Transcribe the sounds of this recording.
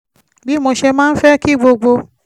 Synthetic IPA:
bi˨˦mo˧ʃe˧mãː˦n̩˦fɛ˦ki˦˨ɡ͡bo˧ɡ͡bo˧

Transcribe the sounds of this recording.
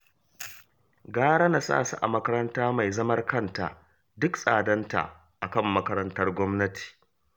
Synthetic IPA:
ɡaː˦ɽa˦na˨sa̰ː˦˨sṵ˦ʔa̰˨mɐ˦kɐ˦ɾɐ˦ntaː˦ma˨jzɐ˦mɐ˦rkɐ˦nta̰˨ʔ | dʊ˦ksʼaː˨dɐ˦nta̰˨ | ʔa˨kɐ˦˨mːɐ˦kɐ˦ɾɐ˦ntɐ˦rɡʷɔ˦mnɐ˦tʰi̥ː˨

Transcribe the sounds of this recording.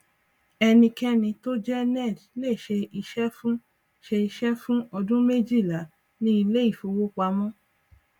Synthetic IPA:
ɛ˧nĩ˧kɛ˦nĩ˧to˦d͡ʒɛ˦nɛ˦˨dle˦˨ʃe˧i˧ʃɛ˦fũ˦ | ʃe˧i˧ʃɛ˦fũ˦ɔ˧dũ˦me˦d͡ʒi˦˨la˨˦ | nĩ˦i˧le˦i˦˨fo˧wo˦k͡pa˧˦mɔ̃˦

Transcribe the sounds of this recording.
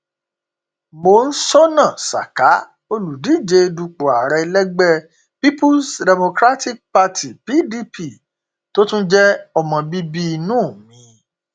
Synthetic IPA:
mo˨n̩˦sɔ˦nã˦˨sa̰˨ka˨˦ | o˧lu˨di˨˦˨d͡ʒe˧du˧k͡po˨a˨ɾɛ˧lɛ˦ɡ͡bɛ˦˨ | pi˦pu˦sdɛ˨mo˧kɾa˦ti˦k̚pa˧tʰi˨pi˦di˦pi˦˨ | to˦tũ˦d͡ʒɛ˦ɔ˧mɔ̃˧bi˦bi˦˧nũː˦˨mĩ˨˦

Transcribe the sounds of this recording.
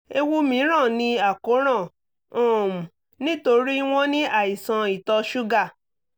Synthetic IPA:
e˧wu˦mĩ˨˦ɾ̃ã˦˨nĩ˧a˦˨ko˨˦ɾ̃ã˦˨ | õ˦˨m˨ | nĩ˦to˧ɾi˦w̃ɔ̃˦nĩ˦ʔa˦˨i˨sã˧i˨tɔ˧ʃu˦ɡa˦˨

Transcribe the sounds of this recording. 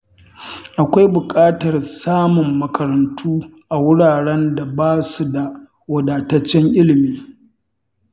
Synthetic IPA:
ʔa˨kʷa˦jbʊ˨kʼaː˦tɐ˨rsaː˦mʊ˨mːɐ˨kɐ˨ɾɐ˨ntʰuː˦ | ʔa˨wʊ˦ɽaː˨ɽɛ˦nda˨baː˦su˨da˨ | wɐ˨daː˨tɐ˦t͡ʃːɛ˦ŋʔɪ˦lɪ˨miː˦

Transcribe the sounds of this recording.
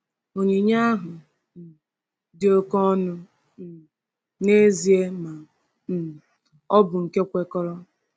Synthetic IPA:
o˨ɲe˨ɲa˦a˦ɦʊ˨ | dɪ˦o˦kɔ˦nʊ˦˨ | ne˦zi˨˦e˦ma˨ | ɔ˦bʊ˨ŋ̩˨ke˦kʷe˦kɔ˦ɾɔ˦

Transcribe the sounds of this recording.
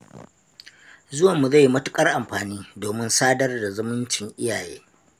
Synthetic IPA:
zʊ˦wɐ˨mːu˨za˦˨jːi˦mɐ˦tʊ˦kʼɐ˦rʔa˨mɸaː˨niː˦doː˨mɪ˦nsaː˦dɐ˦rda˨zʊ˦mʊ˦nt͡ʃɪ˨ŋʔɪ˦jaː˨jḛː˦

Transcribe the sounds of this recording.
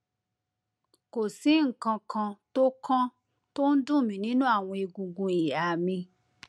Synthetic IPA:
ko˨si˨˦ŋ̩˨kã˧kʰã˧to˦kʰã˦ | to˦n̩˦dũ˦˨mĩ˨˦nĩ˦nũ˦a˦˨w̃ɔ̃˧i˧ɡũ˧ɡũ˧i˨ja˨mĩ˧

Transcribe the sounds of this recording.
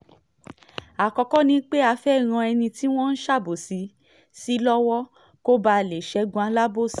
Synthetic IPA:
a˨kɔ˧kɔ˦nĩ˨˦k͡pe˦a˧˦fɛ˦i˨ɾ̃ã˧ɛ˧nĩ˧ti˦w̃ɔ̃˦n̩˦ʃa˦˨bo˨si˨˦ | si˦lɔ˦wɔ˦ | ko˦ba˧˨le˨ʃɛ˧˦ɡũ˧a˨˧˦la˦bo˦˨s

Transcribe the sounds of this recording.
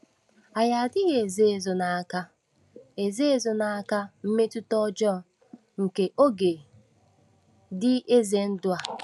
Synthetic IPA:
a˨ja˨a˨dɪ˦ɣe˨e˨ze˦e˨zo˨na˨a˨ka˦ | e˨ze˦e˦˨zo˨na˨a˨ka˦m̩˦me˦tʊ˦tɔ˦d͡ʒɔ˦˨ | ŋ̩˨ke˨ʔo˦ɡe˨ | dɪ˦ʔe˦ze˦n̩˦dʊ˦a˨

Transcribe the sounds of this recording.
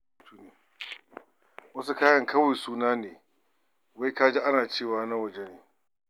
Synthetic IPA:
tuː˦neː˨ | wɐ˦s̬u˦kaː˦jɐ˦ŋkɐ˦wa˨jsuː˦naː˦neː˨ | wa˦jkaː˦d͡ʒi˦ʔa˦naː˨t͡ʃeː˦˨waː˨˦na˦wɐ˨d͡ʒe˦neː˨

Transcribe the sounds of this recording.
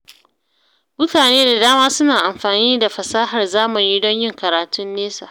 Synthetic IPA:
mʊ˦taː˨neː˦da˨daː˦maː˦sʊ˦naː˨ʔa˨mɸaː˨niː˦da˨ɸɐ˨saː˦ɦɐ˨rzaː˦mʊ˨ɲi˦dɔ˦ɲjɪ˦ŋkɐ˨ɾaː˨tʊ˦nːeː˦sa̰˨ʔ

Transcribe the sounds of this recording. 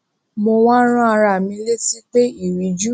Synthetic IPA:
mo˧w̃ɔ̃˦ɾ̃ã˦a˧ɾa˨mĩ˧˦le˦si˦k͡pe˦i˦˨ɾi˨˦d͡ʒu˦

